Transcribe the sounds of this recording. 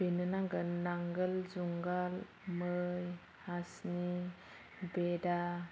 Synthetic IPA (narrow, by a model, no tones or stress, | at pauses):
benɯnaɡɯnːaŋɡəlzuŋɡal | mɯj | hasni | beda